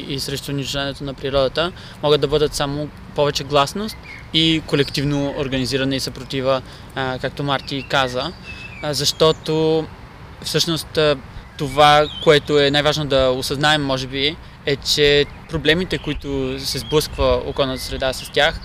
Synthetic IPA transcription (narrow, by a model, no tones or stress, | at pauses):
isɾɛʃt̪oniʒʊʒaniɛt̪onɐpɾiɾɔd̪ət̪ə | mɔɡəd̪̚d̪ɐbɤd̪ət̪samo | pɔvɛt͡ʃɛɡlˠasnost̪ | ikolɛkt̪ivnooɾɡɐniziɾɐnɛisɐpɾot̪ivə | kak̚t̪omaɾt̪ikazəzɐʃt̪ɔt̪o | fsɤʃnost̪t̪ovakoɛt̪oɛnajvaʒnod̪ɐosɐznaɛmːɔʒɛbi | ɛt͡ʃɛ | pɾoblɛmit̪ɛkoit̪osɛzblˠɤskvəo̰kɔlˠnət̪əsɾɛd̪asɐ̥st̪ʲjax